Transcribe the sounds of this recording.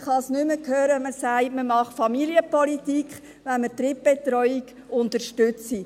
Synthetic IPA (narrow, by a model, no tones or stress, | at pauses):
χɑsnʏməkʰhøːɾəməsæɪtməmɑχfɑmiliəpɔlitikχ | ʋɛnmət̪ɾɪp̚b̥et̪ɾɔʏik | ʊntəɾʃtʏt͡si